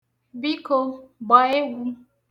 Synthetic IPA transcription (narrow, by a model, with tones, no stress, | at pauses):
bi˦ko˦ɡ͡bɔ˨e˦ɡʷu˦